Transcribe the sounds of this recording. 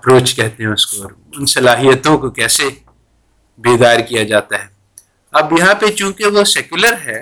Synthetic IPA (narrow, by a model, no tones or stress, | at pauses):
ɐpɾoːt͡ʃkɛɦt̪eɦɛ̃ʊskoɔːɾ | ʊnsɐlaːɦijət̪õkokɛːse | beːd̪aːɾkijad͡ʒaːt̪aɦɛː | ɐbjɐɦãpet͡ʃũːkeʋosɛkjʊləɾɦɛː